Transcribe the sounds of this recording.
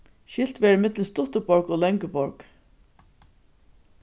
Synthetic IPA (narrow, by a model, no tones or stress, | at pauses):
ʃɪl̥t̪ʋɛːɹɪmɪt̪ləst̪ʊht̪əbɔɹkɔlɛŋkəbɔɹk